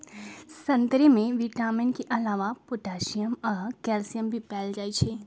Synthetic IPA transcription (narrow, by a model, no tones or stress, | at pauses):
sɐ̃nt̪ɾemẽʋiʈaːmɪnkeʔɐlaːʋapʊʈaːʃijəmɔːɾkɛːlsijəmbʱipɛːld͡ʒaːit͡ʃʰeː